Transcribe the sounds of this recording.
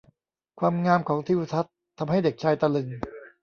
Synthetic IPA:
kʰwaː˧mŋaː˧mkʰɔː˩˦ŋt̪ʰiː˧wsʰa˦˥t̪ʰːa˧mɦa˥˩jde˨˩k̚t͡ɕʰaː˧jt̪a˧lɯ˧ŋ

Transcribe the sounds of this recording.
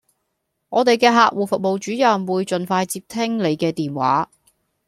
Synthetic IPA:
ŋɔː˨˧t̪e˨jkɛː˧ɦaː˨k̚wuː˨˩fʊ˨k̚mo˨wt͡ʃyː˨˥jɐ˨mwuː˨˧jt͡ʃɵ˨nfaː˧jt͡siː˧p̚t̪ʰɪ˥ŋle˨˧jkɛː˧t̪iː˨˩nwa̰ː˨˥

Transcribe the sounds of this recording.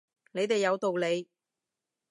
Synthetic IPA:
ne˨˧jt̪e˨jːɐ˨˧wt̪o˨wle˨˧j

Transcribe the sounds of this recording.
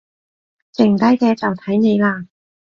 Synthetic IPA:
t͡sɪ˨˩ŋt̪ɐ˥jkɛː˧t͡sɐ˨wt̪ʰɐ˨˥jne˨˧jlaː˧

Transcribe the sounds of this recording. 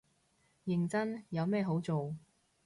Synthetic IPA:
jɪ˨ŋt͡sɐ˥njɐ˨˧wmɛː˥˧ɦo˨˥wt͡so˨w

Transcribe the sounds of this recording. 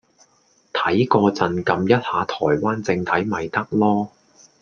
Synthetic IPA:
t̪ʰɐ˨˥jkɔː˧t͡sɐ˨nkɐ˨˧mjɐ˥t̚haː˨˥t̪ʰɔː˨˩jwaː˥nt͡sɪ˧ŋt̪ʰɐ˨˥jmɐ˨jt̪ɐ˥k̚lɔː˥

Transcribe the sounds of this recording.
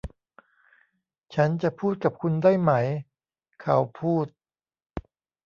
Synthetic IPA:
t͡ɕʰa˦˥nt͡ɕa˨˩pʰuː˥˩t̪̚ka˨˩p̚kʰu˧ndaː˥˩jma˦˥j | kʰa˦wpʰuː˥˩t̪̚

